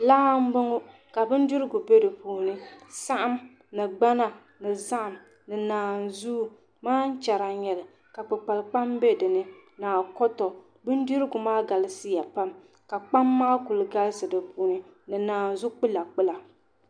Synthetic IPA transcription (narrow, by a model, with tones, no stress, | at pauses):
laː˦m̩˦bɨ˦ŋʊ˦ | ka˨bɨ˦n˦du˦ɾɨ˦ɡʊ˨be˦dɨ˨puː˨˦nɨ˦sa˦ʔa˦m | nɨ˨ɡ͡ba˦na˨ | nɨ˨za˦ʔm | nɨ˨naː˨nzu˦ | maː˦n̩˦t͡ʃa˨ɾa˨ɲɛ˨lɨ˨ | ka˨pɨ˨k͡pa˨lk͡pa˦mbe˦dɨ˨nɨ˦naː˨kɔ˦tɔ˨ | bɨ˦n˦du˦ɾɨ˦ɡʊ˨maː˦ɡa˨lɨ˦si˦ja˨pa˦m | ka˨k͡pa˦mːaː˦ku˨lɨ˨ɡa˦lsɨ˨dɨ˨puː˨nɨ˦nɨ˨naː˨n˨zʊ˦k͡pɨ˦la˨k͡pɨ˦la˨